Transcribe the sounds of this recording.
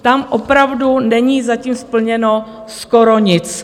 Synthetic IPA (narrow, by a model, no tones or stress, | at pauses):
t̪amʔopɾavdunɛɲiːzaciːmspl̩ɲɛno | skoɾoɲɪt͡s